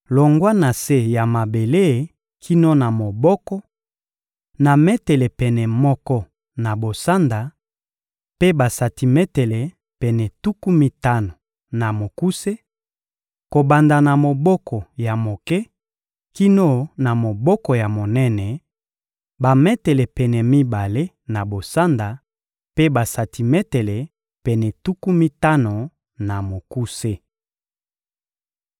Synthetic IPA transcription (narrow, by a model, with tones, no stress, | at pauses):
lo˨ŋɡwa˦na˨se˦ja˨ma˨be˨le˦˨ | kʰi˦no˦na˨mo˨bɔ˦kɔ˦ | na˨mɛ˦tɛ˨le˨pɛ˨nɛ˨mɔ˦kɔ˦ | na˨bo˨sa˦nda˨ | pe˦ba˨sa˨ti˨mɛ˦tɛ˨le˨ | pɛ˨nɛ˨tu˦ku˦mi˨ta˦no˨ | na˨mo˨ku˦se˦ | ko˨ba˨nda˨na˨mo˨bɔ˦kʰɔ˨ja˨mo˨kɛ˦ | ki˦no˦na˨mo˨bɔ˦kɔ˨ja˨mo˨nɛ˦nɛ˨ | ba˨mɛ˦te˨le˨pɛ˨nɛ˨mi˦ba˨le˦ | na˨bo˨sa˦nda˨ | pe˦ba˨sa˨ti˨mɛ˦te˨le˨ | pɛ˨nɛ˨tu˦ku˦mi˦ta˦no˨ | na˨mo˨ku˦se˦